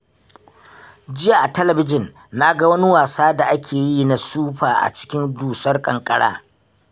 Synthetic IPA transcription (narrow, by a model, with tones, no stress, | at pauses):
d͡ʒɪ˦jaː˨ʔa˨tɐ˦lɐ˨bɪ˦d͡ʒɪ˨nː | a˦ɡa˦wɐ˦nɪ˦waː˨saː˦da˨ʔa˦kʲʰeː˨ji˦na˨suː˦ɸaː˨ʔa̰˨t͡ʃɪ̥˦kʲɪ˦nduː˨sɐ˦rkʼɐ˨ŋkʼɐ˦ɽa̰ː˦